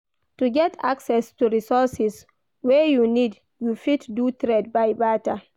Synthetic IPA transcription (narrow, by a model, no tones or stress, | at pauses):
tuɡɛtʰa̰ksɛstuɾisɔsis | wɛjunid | jufitdutɾɛd̚bajbata